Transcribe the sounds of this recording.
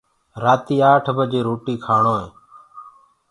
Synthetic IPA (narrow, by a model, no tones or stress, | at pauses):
ɾaːt̪iːaːʈʰbəd͡ʒeːɾoːʈiːkʰaːɳoːɦẽː